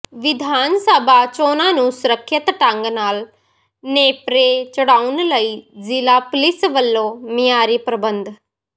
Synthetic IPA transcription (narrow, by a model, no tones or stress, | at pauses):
ʋɪd̪ʱaːnsəbaːt͡ʃoːnaːnũːsʊɾəkʰːət̪ʈə̃ŋɡnaːl | neːpɾeːt͡ʃəɽaːunləiːzɪlaːpʊlɪsʋəlːoːmɪjaːɾiːpɾəbənd̪